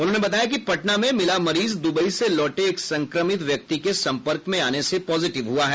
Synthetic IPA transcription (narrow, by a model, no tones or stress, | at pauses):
ʊnɦõːnebɐt̪aːjak̬ipɐʈnamẽmɪlamɐɾiːzd̪ʊbəiselɔːʈeːksɐ̃ŋkɾəmɪt̪ʋjɐk̚t̪ikesɐ̃mpəɾkmẽaːnesepɔːzɪʈɪʋɦuaɦɛː